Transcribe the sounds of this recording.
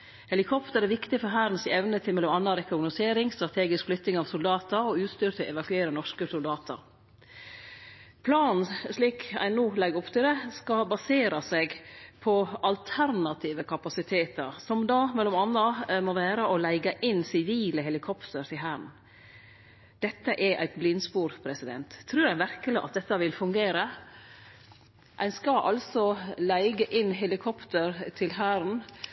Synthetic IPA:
hɛlɪkʰɔpt̪əɾæɾʋɪkt̪ɪfɔɾɦæɾn̩sɛʋnət̪ʰɪmɛlɔmɑnːɑɾɛkʊnʊseːɾɪŋst̪ɾɑt̪ʰeːɡɪskflʏt̪ːnɪŋɑːʋsʊld̪ɑːt̪əɾɔʉːt̪st̪yːɾt̪ʰɪʔɛʋɑkʉeːɾənɔʂkəsʊld̪ɑːt̪ʰə̰ɾ | pʰlɑːnn̩sliːkæ̰ɪnuːlɛɡɾʊpt̪ɪld̪ɛskɑbɑseːɾɑseɡpʰɔɑlt̪ʰæɾnɑt̪ʰiːʋəkʰɑpɑsɪt̪ʰeːt̪əɾsɔmd̪ɑːmɛlːɔmɑnːəmoːʋæːɾəʔɔlæɪɡəʔɪnːsɪʋiːləhɛlɪkʰɔpt̪əɾt̪ʰɪɦæːɾn̩ | d̪̥ɛt̪ːəʔɛʔæ̰ɪt̪̚blɪnːspuːɾpʰɾɛsɪd̪ɛ̰nt̪ʰːɾʉːɾæɪnʋæɾkəlɪʔɑt̪̚d̪ɛt̪ːəʋɪlfʉŋɡeːɾə | ʔæɪnskɑʔɑ̰lsɔlæɪɡəʔɪnɦɛlɪkʰɔpt̪əɾt̪ʰɪlɦæːɾn̩

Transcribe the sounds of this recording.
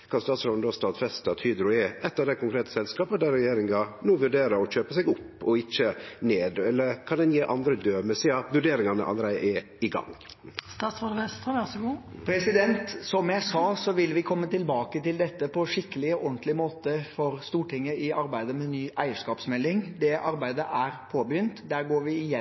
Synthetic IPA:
kʰɑnst̪ɑːt̪sɾɔnd̪ɔst̪ɑːt̪fɛst̪ɑt̪hyːd̪ɾʊɛʔɛt̪ːɑʋd̪ækʊŋkʰɾeːt̪ə̥sɛlskɑːpəd̪æɾɛjeːɾɪŋɑnuːʋʉɖeːɾəɾɔc͡çøːpəsɛɡʊpːɔɪçəneːd̪ɛlːəɾkʰɑnd̪ɛnjeːʔɑnd̪ɾəd̪øːmɛsiːɑʋʉɖeːɾɪŋɑnə̰ʔɑ̰lːəɾæɪd̪ə̰ʔɛ | ɪɡɑ̰ŋ | st̪ɑsʋɔd̪ʋɛst̪əʋæsɔɡuːpʰɾɛsɪd̪ɛnt̪sɔmjæɪsɑːsɔʋɪlʋɪkʰɔmːət̪ɪlbɑːkət̪ɪld̪ɛt̪ːəpʰɔʂɪkːəlɪɔʔɔnt̪ʰlɪmoːt̪əfɔɾst̪uːʈʰɪŋːəɪɑɾbæɪd̪əmɛnyːʔæɪəʂkɑːpsmɛlːɪŋd̪ɛʔɑɾbæɪd̪əʔæɾpʰoːbəjʏnt̪d̪æːɾɡoːɾʋɪɪjɛ

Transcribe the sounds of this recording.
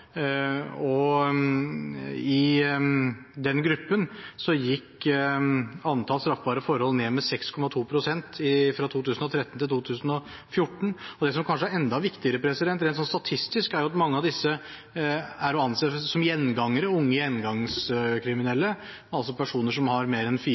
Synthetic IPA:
ɔ | ɪ | d̪ɛnɡɾʉpːənsɔjɪkː | ɑnt̪ʰɑlst̪ɾɑfbɑːɾəfɔɾhɔlneːmɛsɛkskʰɔmɑt̪ʰuːpʰɾʊsɛnt̪ɪfɾɑt̪ʰuːt̪ʉːsn̩ɔt̪ʰɾɛt̪ːənt̪ʰɪlt̪uːt̪ʰʉːsn̩ɔ | fjʊʈːɳ̩ɔd̪ɛs̬ɔmkʰɑnʂəæɾɛnd̪ɑʋɪkt̪ɪəɾəpʰɾɛsɪd̪ɛnt̪̬ɾɛɪt̪sɔnst̪ɑt̪ʰɪst̪ɪskæɾjʊɑt̪mɑŋːəɑʋd̪ɪsːə | æɾɔɑnseːsɔmjɛnːɡɑŋːəɾəʊŋːəjɛnːɡɑŋskʰɾɪmɪnɛlːə | ɛnɑlsɔpʰæʂuːnəʂɔmhɑɾmeːɾɛnfiː

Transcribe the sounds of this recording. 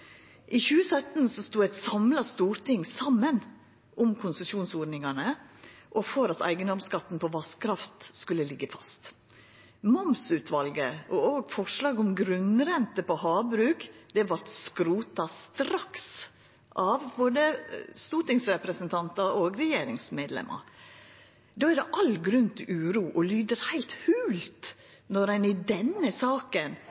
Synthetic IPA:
ʔiːçʉːəsœt̪n̩sɔst̪uːæɪt̪sɑmlɑst̪uːɾt̪ɪŋsɑmːən | ʔʊmkʰʊnsəsuːnsoːɾnɪŋɑnəʔɔfɔɾɑt̪æ̰ɪɡənd̪ɔmskɑt̪ːn̩pʰɔʋɑskʰɾɑft̪skʉlːəlɪɡːəfɑst̪ | mɔmsʉːt̪ʰʋɑlɡəʔɔoːɡfɔʂlɑːɡʊmɡɾʉnɾɛnt̪əpɔhɑːbɾʉːkd̪̥ɛʋɑt̪skɾuːt̪ɑst̪ɾɑks | ʔɑʋboːd̪əst̪uːʈɪŋsɾɛpɾəsənt̪ʰɑnt̪ɑoɡɾɛjeːɾɪŋsmeːd̪lɛ̰mʔɑ̰ | d̪oːæɖ̪ɛʔɑlɡɾʉnt̪ʰɪʉːɾuːʔɔlyːd̪əɾhæɪlt̪hʉːlt̪ | nɔɾæɪnɪd̪ɛnːəsɑːkən

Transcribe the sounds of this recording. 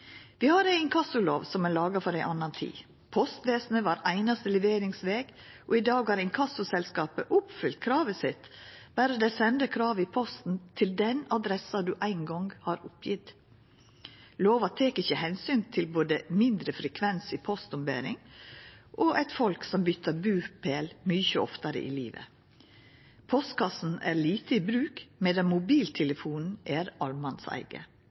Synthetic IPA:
ʋiːhɑɾæɪnkʰɑsʊloːʋsɔmæːlɑːɡɑfɔɾæɪʔɑnɑnt̪ʰḭː | pʰɔst̪ʋeːsnəʋɑːɾæɪnɑst̪əlɛʋeːɾɪŋsʋeːɡ̥ʔɔɪd̪ɑːɡhɑɾɪnkʰɑsʊsɛlskɑːpəʔʊpfʏlt̪̚kʰɾɑːʋəsɪt̪b̥æɾd̪ɛsɛnd̪əkʰɾɑːʋɪpʰɔst̪n̩t̪ʰɪld̪ɛnɑd̪ɾɛsɑd̪ʉːʔæɪnɡɔŋɡhɑɾʊpʰjɪt̪ | loːʋɑt̪ʰeːkɪçəhɛnsyːnt̪ʰɪlboːd̪əmɪnd̪ɾəfɾɛkʰʋɛnsiːpʰɔst̪ʊmbḛːɾɪ̰ŋ | ʔɔʔæɪt̪fɔlksɔmbʏt̪ʰːəbʉːpʰeːlmʏçəɔft̪ɑɾə̰ʔḭːliːʋə̰ | pʰɔst̪kʰɑsn̩æːɾliːt̪əiːbɾʉːkmɛːd̪ɛmʊbiːlt̪ʰɛləfuːnn̩ʔæːɾɑlmɑnsæ̰ɪɡə̰

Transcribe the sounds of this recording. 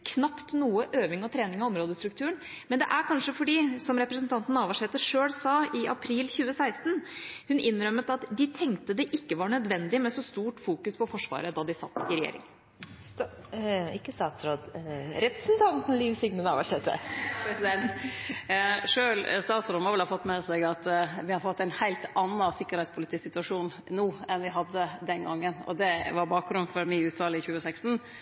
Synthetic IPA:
kʰnɑpt̪nuːəʔøːʋɪŋɔt̪ʰɾeːnɪŋɑɔmɾoːd̪əst̪ɾʉk̚t̪ʰʉːəɳ | mɛnd̪ɛʔæɾkʰɑnʂəfɔɖiːsɔmɾɛpɾəsnt̪ɑnt̪n̩ɑːʋɑʂɛt̪ːəʂøːlsɑːɪʔɑpʰɾiːlçʉːəsæɪst̪n̩hʉnɪnːɾœmət̪ɑt̪d̪ɪt̪ʰɛŋkt̪əd̪ɛʔɪkːəʋɑɳœd̪ʋɛnd̪ɪmɛsɔst̪uːʈfuːkʉspʰɔfɔʂʋɑ̰ːɾəd̪ɑd̪ɪsɑ̰t̪ːɪɾɛjḛːɾɪ̰ŋ | ɪkːəst̪ɑːt̪sɾoːd̪ɾɛpɾəsn̩t̪ʰɑnt̪n̩liʋsɪɡnənɑ̰ʋəʂɛt̪ːə̰pʰɾɛsɪd̪ɛnt̪ | ʂøːlst̪ɑːt̪sɾɔːd̪mɔʋɛlɑfɔt̪ːmɛːsɛɡɑt̪ʋɪhɑɾfɔt̪ːæɪnhæɪlt̪ɑnːɑsɪkːəɾhɛɪt̪spʰʊlɪt̪ʰiːsɪt̪ʉɑʂuːn | nuːɛnʋɪɦɑd̪ːəd̪ɛnɡɑŋːənɔ̰d̪ɛʋɑɾbɑːk̚ɡɾʉnːfɔɾmɪʉːt̪ʰʋɑːlɪçʉːəsækst̪n̩

